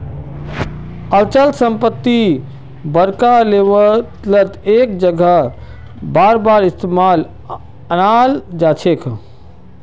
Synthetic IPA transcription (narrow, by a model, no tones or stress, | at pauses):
əlt͡ʃəlsəmpət̪ːi | bəɾkaleʋət̪lət̪ek̚d͡ʒəɡə | baːɾbaɾɪst̪emaːl | ənald͡ʒat͡ʃʰekʰ